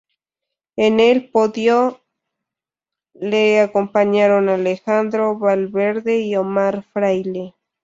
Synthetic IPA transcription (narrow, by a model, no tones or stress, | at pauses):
enelpoðjo | leakompaɲaɾonalexand̪ɾoβalβeɾðeiomaɾfɾajle